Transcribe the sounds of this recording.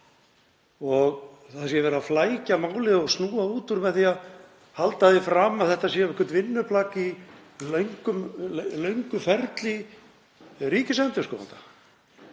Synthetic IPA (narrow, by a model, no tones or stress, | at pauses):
ɔɣ | θaðsjɛvɛːɾaflaːjcamaːwlɪðɔɣsnuːauːt̪ʏɾmɛðθiað | halt̪aðɪfɾaːmaθɛht̪asjɛɛhkʏɾt̪vɪnːʏplaːki | lœɥŋkʏmlœɥŋkʏfɛɾt̪li | riːcɪsɛnt̪ʏ̥skɔwa̰nt̪ḁ